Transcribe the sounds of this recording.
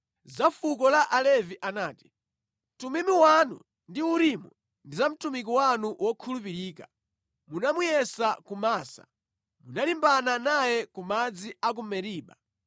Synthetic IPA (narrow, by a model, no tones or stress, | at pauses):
zafukɔlaʔalɛviʔanaːti̥ | tumimiwanṵ | ndiuɾimu | ndizam̩tumik̬iwanuwɔkʰulupiɾiːka | munamujɛsakumaːsa̰ | munalimbananajɛkumad͡ziak̬umɛɾiːɓa̰